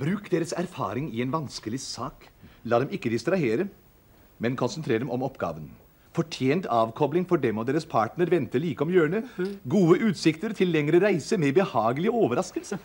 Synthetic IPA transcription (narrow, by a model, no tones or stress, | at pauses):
bɾʉːkd̪eːɾəsæɾfɑ̰ːɾɪŋɪɛːnʋɑnskəlɪsɑːklɑːd̪ɛmɪkːəd̪ɪst̪ɾɑheːɾə | mɛnkʰʊnsənt̪ʰɾeːɾd̪ɛmʔɔmɔpːɡɑ̰ːʋən | fɔʈʰjeːnt̪ʰɑːʋkʰɔblɪŋfɔɖɛmɔd̪eːɾəspʰɑːʈnəɾʋɛnt̪əɭiːkəɔmjøːɳəɡuːəʔʉːt̪sɪkt̪əɾt̪ʰɪlːɛŋɾəɾæɪsəmɛbəhɑːɡəlɪəɔːʋəɾɑskəlsə